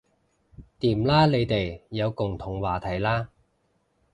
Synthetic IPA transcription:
t̪iː˨˩mlaː˥le˨˧jt̪e˨jːɐ˨˧wkʊ˨˩ŋt̪ʰʊ˨˩ŋwaː˨˩t̪ʰɐ˨˩jlaː˥

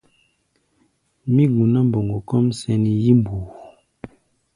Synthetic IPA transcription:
mi˦ɡu˨na˦m˨bo˨ŋɡo˨kɔ˦msɛ˦ni˨ji˦mbu˨

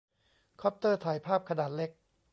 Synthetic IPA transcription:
kʰɔ˦˥p̚t̪ɤː˥˩t̪ʰaː˨˩jpʰaː˥˩p̚kʰa˧naː˨˩t̪̚le˦˥k̚

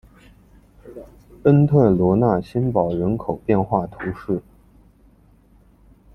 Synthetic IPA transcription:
ə˥nt̪ʰwə˥˩lwɔ˧˥na˥˩ɕi˥npɑ˨˩ʊɻə˧˥nkʰo˨˩ʊpjɛ˥˧nxwa˥˩t̪ʰu˧˥ʂɻ̩˥˩

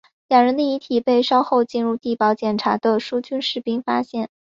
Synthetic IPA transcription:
ljɑ˨˩ŋɻə˧˥nd̪ə˧i˧˥t̪ʰi˨˩pe˥˩ɪʂɑ˥ʊxo˥˧ʊt͡ɕi˥˧nɻu˥˧t̪i˥˩pɑ˧˥ʊt͡ɕjɛ˨˩nʈ͡ʂʰa˧˥d̪ə˧ʂu˥t͡ɕy˥nʂɻ̩˥˩pi˥ŋfa˥ɕjɛ˥˩n

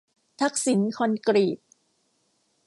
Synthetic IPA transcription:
t̪ʰa˦˥k̚si˨˩˦nkʰɔ˧nkɾiː˨˩t̪̚

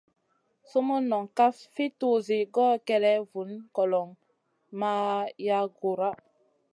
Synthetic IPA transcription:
so˦mo˦nɔ˨ŋka˦sfi˦to˦˨ze˨ɡɔː˦kɛ˨ɾɛ˦vu˨˦nkɔ˨lɔ˨ŋ | ma˦ja˦ɡo˨ɾa˦

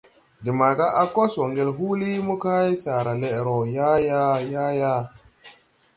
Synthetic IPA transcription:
di˨ma˨ɡa˦ʔa˦ko˦so˨ŋɡe˨lɦu˦li˦mu˦ka˦ji˦sa˨ɾa˨le˨ɾo˨ja˦ja˦ja˦ja˦

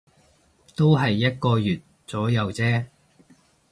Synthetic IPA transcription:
t̪o˥wɦɐ˨jːɐ˥t̚kɔː˧jyː˨˩t̚ | t͡sɔː˨˥jɐ˨˧wt͡sɛː˥

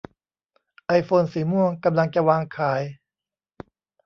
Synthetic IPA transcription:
ʔa˧jfoː˧nsiː˩˦mu˥˩əŋka˧mla˧ŋt͡ɕa˧waː˧ŋkʰaː˩˦j

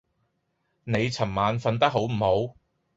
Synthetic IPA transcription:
ne˨˧jt͡sʰɐ˨˩mmaː˨˧nfɐ˧nt̪ɐ˥k̚ɦo˨˥wm̩˨˩ho˨˥w

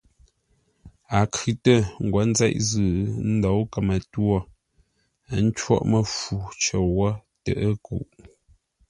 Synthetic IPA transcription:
a˨kʰʉ˨tə˦˨ŋ̩˨ɡwɔ˨˦n̩˦zɛ˦ʔzɨ˨n̩˦dɔ˨˦wkə˨mə˨twɔ˦˨˦ | n̩˦t͡ʃwɔ̰˦ʔmə˦fu˨t͡ʃə˨wɔ˦tə̰˨ʔə˦kṵ˨ʔ

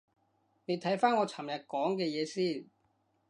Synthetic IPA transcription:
ne˨˧jt̪ʰɐ˨˥jfaː˥nŋɔː˨˧t͡sʰa˨˩mjɐ˨t̚kɔː˨˥ŋkɛː˧jɛː˨˧siː˥˩n

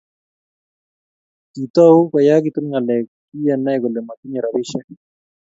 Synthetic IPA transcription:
ki˨t̪ɔ˦u˦ka˨ja˦ɡi˨t̪u˦nŋa˨lɛ˨ | i˦jɛ˨nɛ˦ɡo˨le˨ma˨ki˦ɲɛ˨ɾa˨bɪ˦ʃɛ˦

